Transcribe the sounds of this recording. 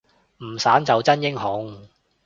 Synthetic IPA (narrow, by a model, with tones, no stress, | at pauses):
m̩˨˩saː˨˥mt͡sɐ˨˧wt͡sɐ˥njɪ˥ŋhʊ˨˥ŋ